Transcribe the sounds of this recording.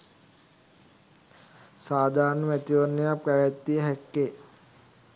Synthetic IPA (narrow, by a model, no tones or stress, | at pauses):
saːd̪ʱaːɾnəmæt̪iʋənːəjapɾæʋæt̪ːijəɦækːe